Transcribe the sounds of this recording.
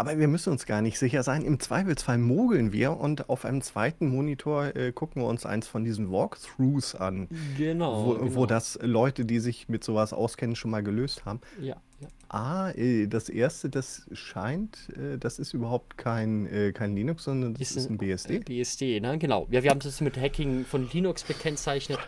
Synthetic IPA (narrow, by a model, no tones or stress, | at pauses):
ʔaːbɐviːɐmʏsn̩ʊnsɡ̥aːɐnɪçtz̥ɪçɐzaɪnʔɪmt͡sv̥aɪflsfalmoːɡl̩nvḭːɐʔʊnta̰ʊfʔaɪnəmt͡sv̥aɪtn̩moːnitʰoːɐʔɛːɡʰʊkŋ̩viːɐʊnsʔa̰ɪnsfɔndiːzn̩vɔːkθʁuːsʔa̰nɡənvovoːdaslɔʏtədiːzɪçmɪtz̥oːvasʔa̰ʊskʰɛnənʃoːnmaːlɡəløːsthaːbm̩j | ʔaːʔɛːd̥asʔeːɐstəd̥asʃaɪntʔɛːd̥asɪstʔyːbɐhaʊp̚tkʰaɪnʔɛːkʰaɪnliːnʊksz̥ɔndɐndasɪsn̩beːɛsd̥eːbsd̥eːnəɡənaʊjaːviːɐhaːmssmɪthɛkɪŋfɔnliːnʊksb̥əkʰɛnt͡saɪçnət